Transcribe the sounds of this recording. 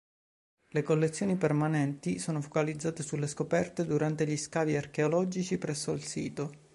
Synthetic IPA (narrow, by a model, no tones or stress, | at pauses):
lekolːet̪sːjoːnipermanɛnt̪isoːnofokalid̪zːaːt̪esulːeskopɛrt̪ed̪uɾant̪eʎiskaːviarkeolɔd͡ʒit͡ʃipɾɛsːoilsiːt̪o